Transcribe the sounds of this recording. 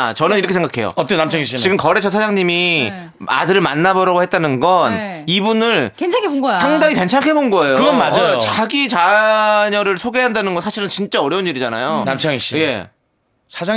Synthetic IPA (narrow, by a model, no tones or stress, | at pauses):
t͡ɕʌnɯniɾʌkʰeeŋɡakʰe̞jo̰ʌt͈ʌnamt͡ɕʰaŋiɕ͈iiɡɯmkʌɾe̞t͡ɕʰʌsʰad͡ʑaŋɲimi | a̰dɯɾɯɭmanːabʌɾaɡohet̚t͈anɯnɡʌnibunɯɭʰaŋkʰeɡsʰaŋdaŋike̞nt͡ɕʰaŋkʰe̞bonɡʌe̞jokɯɡʌnmad͡ʑajoot͡ɕaɡit͡ɕaɲʌɾɯɭsʰoɡe̞ɦandanɯnɡʌnsʰaɕʰiɾɯnt͡ɕint͡ɕ͈aʌɾjʌuniɾid͡ʑana̰jonamt͡ɕʰaŋiɕ͈ije̞ | sʰad͡ʑa